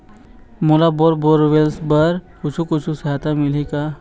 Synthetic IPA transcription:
molaboːɾboːɾʋelsbəɾkʊt͡ʃʰukʊt͡ʃʰusɐɦat̪amɪleka

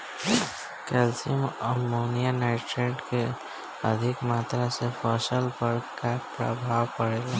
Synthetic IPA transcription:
kɛlsiməmoːnijanaɪʈɾeɖke | əd̪ʱɪkmaːt̪ɾasepʰɔsəlpəɽkapɾə̰bʱaːwpəɽeːla

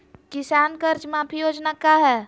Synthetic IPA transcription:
kɪsaːnkəɾt͡ʃmãːpʰijoːd͡ʒnakaɦɛː

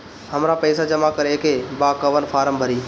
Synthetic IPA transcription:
həmɾaːpəːsad͡ʒəmakəɾeekeːbaːkəʋənfʰaːɾəmbʱəɾiː

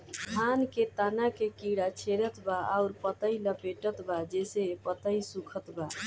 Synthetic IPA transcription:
k̪ʰanket̪anakekiɽat͡ʃʰeɾət̪baaʊɾpət̪əiləpeʈət̪bad͡ʒesepət̪əjsukʰət̪ba

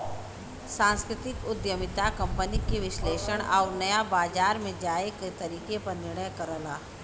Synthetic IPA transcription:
sãːnskɾɪt̪ɪkʊd̪jəmɪt̪akɐ̃mpənikeʋɪʃleːʃəɽ̃aːnɐjabaːd͡ʒaːɾmẽd͡ʒaːeket̪ɐɾiːkepɐɾnɪɾɳ̃əjkəɾəlaː

